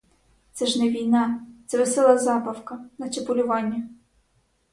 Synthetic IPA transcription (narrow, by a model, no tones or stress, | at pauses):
t̪sɛʒnɛʋʲijnɑt̪sɛʋesɛlˠɐzɑbɐwkɐnɐt̪ʲɪpʊlʲʊʋɑnʲːɐ